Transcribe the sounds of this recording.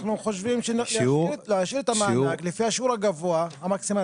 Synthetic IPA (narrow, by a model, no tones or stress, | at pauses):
ħnuxoʃfiːmʃlɾlaʃɪɾt̪amaʕaklifihaʃuːɾˤaɡavuaamaksima